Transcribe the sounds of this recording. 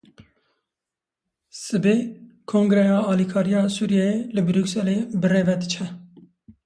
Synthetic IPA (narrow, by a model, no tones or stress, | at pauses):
sɨbekʰõːŋɡɾɛjɑːɑːlikʰɑːɾijɑːsuːɾijɛjelɨbɨɾuːksɛleːbɨreːvɛd̪ɨt͡ʃʰɛ